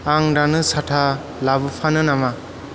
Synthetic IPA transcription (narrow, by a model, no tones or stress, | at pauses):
aŋɾanɯsatʰa | labɯpʰanɯnama